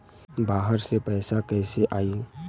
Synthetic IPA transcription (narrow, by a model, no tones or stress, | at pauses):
baːɦəɾsepɛːsakɛːseʔaːi